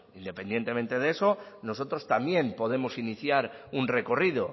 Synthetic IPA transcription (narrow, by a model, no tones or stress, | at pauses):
ind̪e̞pend̪je̞nt̪e̞mẽ̞nt̪e̞ðe̞so̞no̞s̬o̞t̪ɾo̞st̪amje̞mpo̞ð̞e̞mo̞siniθjaɾunre̞ko̞riðo̞